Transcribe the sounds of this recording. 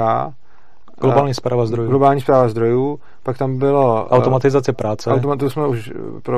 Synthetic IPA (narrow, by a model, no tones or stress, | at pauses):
a̰ː | ɡlobaːlɲiːspɾaːvazd̪ɾojuɡlobaːlɲispɾaːvazd̪ɾojuː | pakt̪ambɪloʔawtt̪omat̪ɪzat͡sɪpɾaːt͡sɛawt̪omat̪usmɛuʃ | pɾo